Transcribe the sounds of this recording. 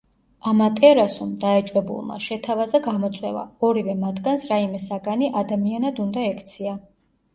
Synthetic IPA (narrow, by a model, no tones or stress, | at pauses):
amat̪ʼɛɾasumd̪aɛt͡ʃʼwɛbṵlˠma̰ʃɛt̪ʰavazaɡamɔt̪sʼwɛ̰va̰ɔɾivɛmat̪ʰɡansɾaimɛsaɡaniʔad̪amianad̪und̪aɛkʰt̪sʰia